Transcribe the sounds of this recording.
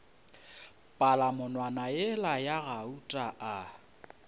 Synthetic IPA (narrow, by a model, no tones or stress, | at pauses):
pʼalamʊnwanajɛlajaɣautʼaʔa